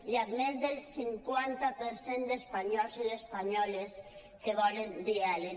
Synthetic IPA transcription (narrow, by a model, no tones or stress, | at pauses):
ʎat̪mezðelsiŋkwant̪apeɾsend̪espaɲɔlsiðespaɲɔles | keβɔlend̪iale